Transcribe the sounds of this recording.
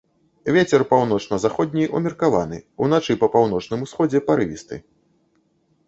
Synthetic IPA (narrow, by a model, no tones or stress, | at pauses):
vʲet͡sʲɛrpawn̪ɔt͡ʂnɐzaxɔd̪ʲnʲiumʲirkava̰n̪ɨ̰ṵn̪at͡ʂɨpɐpawnɔt͡ʂnɨmusxɔd͡zʲɛpaɾɨvʲist̪ɨ̰